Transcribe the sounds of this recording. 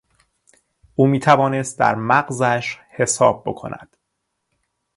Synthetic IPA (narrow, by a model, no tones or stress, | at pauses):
ʔuːmiːt̪ʰævɒːne̞st̪̚d̪æ̰ɾmæɢzæʃhe̞sɒ̰ːb̚ːo̞̰kʰo̞̰nʔæ̰d̪̥